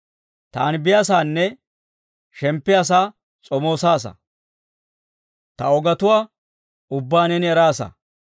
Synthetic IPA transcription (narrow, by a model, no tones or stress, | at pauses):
t̪aːnbɪjasaːnːɛ | ʃɛmpːɪjɐs̬aː | t͡sʼɔmo̞ːsaːs̬ɐ̰ | t̪ɐɔɡɐt̪ʊwaː | ʊbːaːnɛnɪɛɾaːsɐ̰